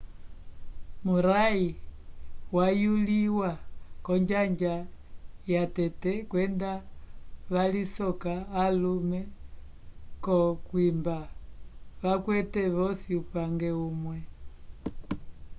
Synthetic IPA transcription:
muɾai | wajuliwakɔɲd͡ʒaɲd͡ʒa | jatɛtɛkwɛnda | βalisɔkaːlumɛ | kɔkwimba | βakwɛtɛβɔsiupaŋɡɛumwɛ

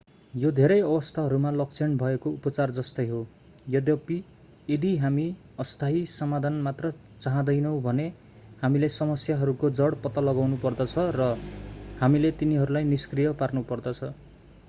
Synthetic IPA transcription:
jod̪ʱeɾʌjʌbʌst̪ʰaɦʌɾumalʌk̚t͡sʰenbʱʌekoupʌt͡sard͡zʌst̪ʌjɦo | jʌdjʌpi | ed̪iɦami | ʌst̪ʰaɦisʌmad̪ʱanmat̪rʌ | t͡saɦãd̪ʌjnʌw̃bʱʌne | hamilesʌmʌsjaɦʌɾukod͡zʌɽpʌt̪alʌɡawnupʌrd̪ʌt͡sʰʌrʌhamilet̪iniɦʌɾulajniskrijʌparnupʌrd̪ʌt͡sʰʌ

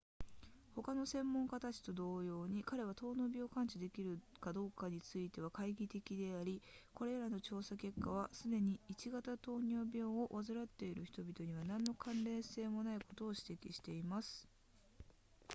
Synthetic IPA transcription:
ho̞kano̞sẽ̞mːõ̞ŋkat̪at͡ɕi̥t̪o̞d̪o̞ːjo̞ːɲ̟ikaɾe̞β̞at̪o̞ːno̞ːbʲo̞ːkãɲt͡ɕid̪e̞kʲiɾɯ̟kad̪o̞ːkaɲ̟it͡sɨit̪e̞β̞akaiɡʲit̪e̞kʲid̪e̞aɾʲiko̞ɾe̞ɾano̞t͡ɕo̞ːsake̞kːaβ̞asɨd̪e̞ɲ̟iːt͡ɕiɡat̪at̪o̞ːɲ̟ʲoːbʲo̞ːβazɨɾat̪ːe̞iɾɯ̟çʲi̥t̪o̞bʲit̪o̞ɲ̟iβanãnːo̞kʰãnɾe̞ːse̞ːmo̞naiko̞t̪o̞ːɕi̥t̪e̞kʲiɕi̥t̪e̞imasɨ̥

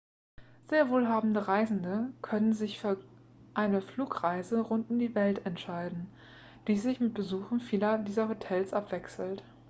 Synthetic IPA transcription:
z̥eːɐvoːlɦaːbm̩dəʁaɪzn̩dəkʰœnənzɪçfyːɐ | ʔaɪnəfluːkʁaɪzəʁʊntʊmdiːvɛltɛntʃaɪdn̩ | d̥iːzɪçmɪt̚b̥əzuːχn̩fiːlɐdiːzɐhotʰɛlsʔapv̥ɛksl̩t

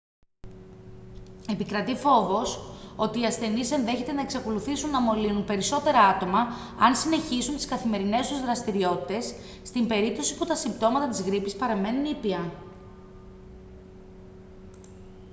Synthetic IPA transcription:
e̞pikɾɐt̪ifo̞vo̞so̞t̪iːɐsθe̞nise̞nðe̞çe̞t̪e̞nɐe̞ksɐko̞luθisunːɐmo̞linunpe̞ɾiso̞t̪e̞ɾɐɐt̪o̞mɐ | ɐnsine̞çisunt̪i̥skɐθime̞ɾine̞st̪uzðɾɐst̪iɾio̞t̪i̥t̪e̞sː | t̪imbe̞ɾip̚t̪o̞si̥put̪ɐsimbt̪o̞mɐt̪ɐt̪izɣɾipispɐɾɐme̞nunipiɐ

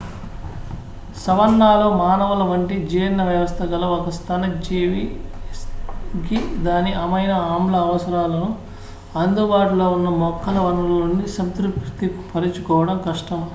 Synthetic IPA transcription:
sɐʋɐnːaːloːmaːnɐʋɐlɐʋɐɳʈid͡ʒiːnnɐʋjɐʋɐst̪ʰɐɡɐlɐɔkɐst̪ʰɐnɐd͡ʒiːʋi | kid̪aːniʔɐmɐjnɐaːmlɐːʋɐsɐɾaːlɐnu | ɐnd̪ubaːʈulo̞ːunːɐmɔkʰːɐlɐʋɐnulunːisɐmt̪ɾukt̪iku̥pʰɐɾit͡ʃukɔːʋɐɽɐmkɐʂʈɐm

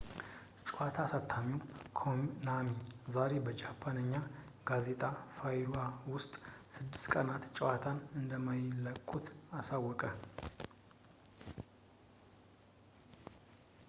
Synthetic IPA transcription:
t͡ʃʼwat̪ʰasat̪ʰːamiwkʰomnamizaɾe̞bəd͡ʒapʰːanəɲːa | ɡ̥aze̞t̪ʼafajɾuawʊst̪ʼsɨd̪ːɨ̥st̪kʼənat̪t͡ʃʼwat̪ʰanɨnd̪əmajlːəkʼːut̪asawːɔkʼə

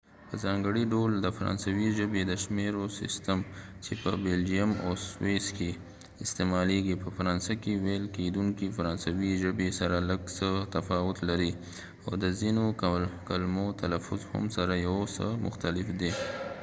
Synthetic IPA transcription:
pəzɑŋɡəɽiɖold̪əfaɾɑ̰nsawiʒəbed̪əʃmeɾosɪ̰st̪əmt͡ʃepəbeld͡ʒijama̰sweske | ɪst̪emɑleɡipəfaɾɑnsakewelked̪uŋkifaɾɑnsawiʒəbesaɾaləɡsət̪afɑwʊt̪laɾi | awd̪əzinokkalmot̪ʰalafʊzhʊ̰msaɾajawsə̰mʊ̰xt̪alɪfd̪e

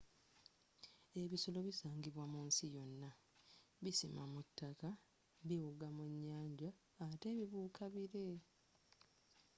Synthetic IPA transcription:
e̞βiso̞lo̞βisaːŋɡiβwamuːnsijo̞nːa | βisimamutːaka | βiwuɡamuɲːaːɲɟaː | te̞ːβiβuːkʰaβiɾe̞

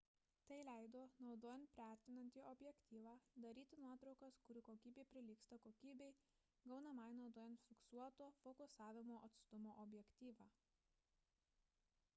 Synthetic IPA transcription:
t̪ɐɪlʲæˑɪd̪oːnɒʊd̪oːjɛnt̪̚pʲɾʲæˑɾʲt̪ʲɪnɐnʲt̪ʲiːʔɔbʲjɛkt̪ʲiːʋɑːd̪ɐɾʲiːt̪ʲɪnuɔt̪ɾɒʊkɐskʊɾʲɪkoːkʲiːbʲeːpʲɾʲɪlʲiːkst̪ɐkoːkʲiːbʲɛɪ | ɡɐʊnɐmɐɪnɒʊd̪oːjɛnt̪fʲɪksuɔt̪oːfokʊsɑːʋʲɪmoːʔɐt̪st̪ʊmoːʔɔbʲjɛkt̪ʲiːʋɑː

